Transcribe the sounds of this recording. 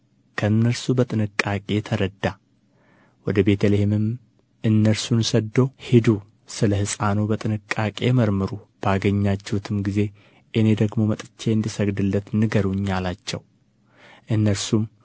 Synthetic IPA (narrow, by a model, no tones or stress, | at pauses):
kʰəɨnːəɾsubət̪ʼɨnɨkʼːakʼe̞t̪ʰəɾəd̪ːa | wɔd̪əbe̞t̪ʰəlehemɨm | ʔɨnːəɾsunsəd̪ːo̞hid̪u | sɨləhɨsʼanobət̪ʼɨnɨkʼːakʼe̞̰məɾmɨɾub̥aɡəɲːat͡ʃːɛhut̪ʰɨmɡize̞ | ʔɨne̞d̪əɡmo̞mət̪ʼɨt͡ʃʰːe̞ɨnd̪isəɡd̪ɨlːət̪nɨɡəɾuɲːalat͡ʃːɛ̰w | ʔɨnːəɾsum